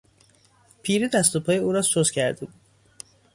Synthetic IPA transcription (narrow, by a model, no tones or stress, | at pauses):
pʰiːɾed̪æst̪opʰɒːjeuːɾɒːsozcʰæɾd̪ebuːd̪̥